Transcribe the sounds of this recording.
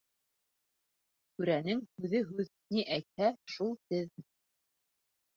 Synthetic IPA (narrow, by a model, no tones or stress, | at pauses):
kʉɾænɘŋhʉðɘɦʉðniʔæjt̪̚hæʃulˠt̪ɘðm